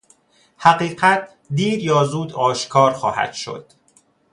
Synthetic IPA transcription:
hæɢiːɢæt̪̚ʰ | d̪iːɾjɒːzuːd̪ɒːʃkʰɒːɾxɒːhæ̰d̪̥ʃo̞̰d̪̥

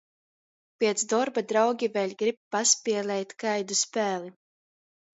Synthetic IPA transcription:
pʲiɛt̪sd̪ɔɾbad̪ɾawɡʲivɛlʲɡɾip̚paspʲiɛlʲˠɛjt̪kajd̪uspæːlʲˠi

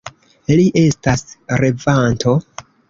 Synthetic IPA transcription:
eliʔe̞stasɾe̞vantʰo̞

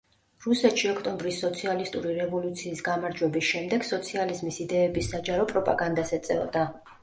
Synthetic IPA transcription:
ɾusɛt̪ʃiɔkʰt̪ʼɔmbɾisːɔt̪sʰialist̪ʼuɾiɾɛvɔlut̪sʰiːsɡamaɾd͡ʒwɛbisʃɛmd̪ɛɡ̥sɔt̪sʰializmisid̪ɛːbisːad͡ʒaɾɔpʼɾɔpʼa̰ɡand̪asɛt̪sʼɛ̰ɔ̰d̪a

